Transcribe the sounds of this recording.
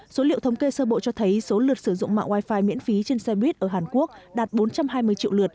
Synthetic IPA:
so˨˦lḭ˧˨əwt̪ʰwŋ͡mke˧səː˧ɓo̰˧˨t͡ɕɔ˧t̪ʰə˨˦jso˨˦lɨ˨˩ət̚sɨ˧˩zʊ̰˧˨ŋ͡mma̰ː˧˨ŋwaː˧jfaː˧jmḭ˧˥ənfi˨˦t͡ɕe˧nsɛ˧ɓwi˦˥t̚ʔəː˧˩ɦaː˨˩nku˦˥ək̚ɗaː˨˩t̚ɓo˨˦nt͡ɕa˧mɦaː˧jmɨ˧əjt͡ɕḭ˧˨wlɨ˨˩ət̚

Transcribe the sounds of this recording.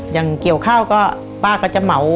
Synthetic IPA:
jaː˨˩ŋki˨˩əwkʰaː˥˩wkɔː˥˩ | paː˥˩kʰːɔː˥˩t͡ɕa˨˩ma˩˦w

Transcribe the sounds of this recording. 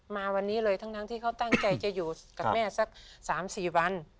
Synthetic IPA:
maː˧wa˧nːiː˦˥lɤː˧jt̪ʰa˦˥ŋtʰaː˦˥ŋt̪ʰiː˥˩ka˦˥˩wt̪a˥˩ŋt͡ɕa˧jt͡ɕa˨˩juː˨˩ka˨mɛː˥˩sa˧˥˩k̚saː˩˦msiː˨˩wa˧n

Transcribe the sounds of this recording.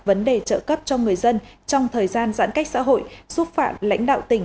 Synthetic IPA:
və˨˦nɗe˨˩t͡ɕə̰ː˧˨kə˦˥p̚t͡ɕɔ˧ŋɨ˨˩əjzə˧nt͡ɕɔ˧wŋ͡mt̪ʰəː˨˩jzaː˧nza̰ː˧˥nka˦˥k̚sa̰ː˧˥ɦo̰˧˨jsu˦˥t̚fa̰ː˧˩m̚la̰˧˥jŋ̟ɗa̰ː˧˨wt̪ï˨˩ŋ̟

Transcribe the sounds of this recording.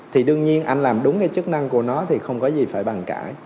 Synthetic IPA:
t̪ʰi˨˩ɗɨ˧əŋɲi˧ənʔa˧jŋ̟laː˨˩mɗʊ˨˦ŋ͡mkaː˨˦jt͡ɕɨ˦˥k̚na˧ŋku˧˩ənɔ˨˦t̪ʰi˨˩xə˧wŋ͡mkɔ˨˦zi˨˩faː˧˩jɓa˨˩ŋka̰ː˧˩j

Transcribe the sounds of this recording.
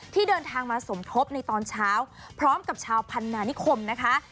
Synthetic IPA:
t̪ʰiː˥˩dɤː˧nt̪ʰaː˧ŋmaː˧so˩˦mkʰo˦˥p̚na˧jt̪ɔː˧nt͡ɕʰaː˦˥wpʰɾɔː˦˥mka˨˩p̚t͡ɕʰaː˧wpʰa˧nːaː˧ni˦˥kʰo˧mna˦˥kʰa˦˥

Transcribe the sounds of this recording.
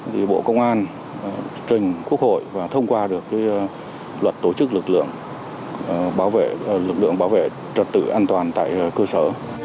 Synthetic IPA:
t̪ʰi˨˩ɓo̰˧˨kə˧wŋ͡mʔaː˧n˨˩ | t͡ɕï˨˩ŋ̟ku˦˥ək̚ho̰˧˨jvaː˨˩t̪ʰə˧wŋ͡mkwaː˧ɗɨ˨˩əkːaː˨˦j | lwə˨˩t̚t̪o˧˩t͡ɕɨ˦˥k̚lɨ˨˩k̚lɨ̰˧˨əŋ˨˩ | ɓaː˨˦wvḛ˧˨lɨ˨˩k̚lɨ̰˧˨əŋɓaː˨˦wvḛ˧˨ | zə˨˩t̚t̪ɨ̰˧˩ʔaː˧nt̪waː˨˩nt̪a̰ː˧˨jkəː˧səː˧˩

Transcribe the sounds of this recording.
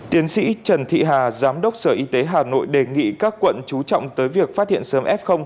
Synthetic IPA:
t̪i˨˦ənsḭ˧˥t͡ɕə˨˩nt̪ʰḭ˧˨ɦaː˨˩zaː˨˦mɗə˦˥wk͡p̚səː˧˩ʔi˧t̪e˨˦ɦaː˨˩no̰˧˨jɗe˨˩ŋḭ˧˨kaː˦˥kːwə̰˧˨nt͡ɕu˨˦t͡ɕɔ̰˧˨wŋ͡mt̪əː˨˦jvi˨˩ək̚faː˦˥t̚hḭ˧˨ənsəː˨˦mʔɛ˦˥p̚xə˧wŋ͡m

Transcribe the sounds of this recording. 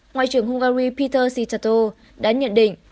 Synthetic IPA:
ŋwa̰ː˧˨t͡ɕɨ˨˩əŋɦʊ˧ŋ͡mɣaː˧ɾi˧pi˧t̪əː˧si˧t͡ɕaː˧t̪o˧ | ɗaː˧˥ɲə̰˧˨nɗḭ̈˧˨ŋ̟

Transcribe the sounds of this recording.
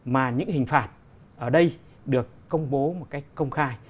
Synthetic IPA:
maː˨˩ɲɨ̰˧˥ŋhï˨˩ŋ̟faː˨˩t̚ | ʔəː˧˩ɗə˧j | ɗɨ˨˩əkːə˧wŋ͡mɓo˨˦mo˨˩t̚ka˨˦jk̚kːə˧wŋ͡mxaː˧j

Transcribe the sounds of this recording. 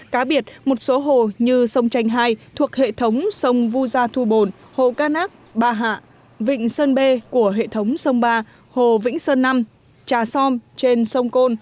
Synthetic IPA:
kaː˨˦ɓi˧˩ət̚mo˨˩t̚so˨˦ɦo˧˨ɲɨ˧sə˧wŋ͡mt͡ɕa˧jŋ̟ɦaː˧jt̪ʰu˨˩ək̚hḛ˧˨t̪ʰə˨˦wŋ͡msə˧wŋ͡mvu˧zaː˧t̪ʰu˧˩ɓo˨˩n | ho̰˧˨kaː˧naː˦˥k̚ɓaː˧˩ɦa̰ː˧˨ | vḭ̈˧˨ŋ̟səː˧nɓe˧ku˧˩əɦḛ˧˨t̪ʰə˨˦wŋ͡msə˧wŋ͡mɓaː˧ | ho˧˨vḭ˧˥ŋ̟səː˧nːa˧m | t͡ɕaː˨˩sɔ˧mt͡ɕe˧nsə˧wŋ͡mko˧n

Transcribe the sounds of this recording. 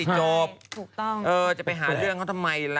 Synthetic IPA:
i˨˩t͡ɕɔː˧˩p̪̚ʰuː˨˩k̚t̪ɔ˥˩ŋʔɤː˧˩t͡ɕa˨˩pa˧jɦaː˩˦ɾɯ˥˩əŋkʰa˥˩t̪ʰa˧mːa˧jla˧

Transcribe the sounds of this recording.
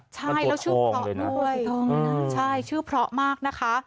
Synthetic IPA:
t͡ɕʰa˥˩jlɛː˦˥wt͡ɕʰɯː˥˩ɔ˦˥˧u˥˩˧jʰɤː˧ŋɯ˧˩t͡ɕʰa˥˩jt͡ɕʰɯː˥˩pʰɾɔ˦˥ʔmaː˥˩k̚na˦˥kʰa˦˥

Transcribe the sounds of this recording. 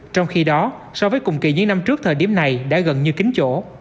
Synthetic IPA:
t͡ɕɔ˧wŋ͡mxi˧ɗɔ˨˦ | sɔ˧vəː˨˦jkʊ̰˨˩wŋ͡mkḭ˧˨˩ɲɨ̰˧˥ŋna˧mt͡ɕɨ˦˥ək̚t̪ʰəː˨˩jɗi˧˩əmna˨˩jɗa̰ː˧˥ɣə˨˩nɲɨ˧kï˨˦ŋ̟t͡ɕo̰˧˨

